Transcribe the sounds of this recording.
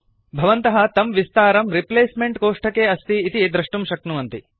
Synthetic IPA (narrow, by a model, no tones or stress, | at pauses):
bʱɐʋɐnt̪ɐɦɐ̆t̪ɐmʋist̪aːɾɐmɾipleːsmeɳʈkoːʂʈɐkeːɐst̪iːt̪id̪ɾɐʂʈumʃɐknuɐnt̪i